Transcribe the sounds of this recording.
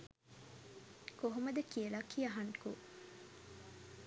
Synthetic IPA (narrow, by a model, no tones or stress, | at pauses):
koɦumɐd̪ɐkielakʰːiːɐɦɐnku